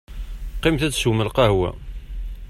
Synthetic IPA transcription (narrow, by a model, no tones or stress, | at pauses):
qimθæt͡sːsməlqɑhwæ̰